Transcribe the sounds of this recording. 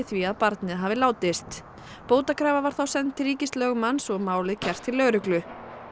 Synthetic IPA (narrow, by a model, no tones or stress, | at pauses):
θviaðpaɾt̪nɪðɦaːvɪlaːwt̪ɪst̪ | poːwt̪akʰɾaːvavaɾ̥θawsɛnt̪ːɪɾiːcɪst̪lœɣʏmansɔɣmaːwlɪcʰɛr̥t̪ʰːɪlːœɣɾʏklʏ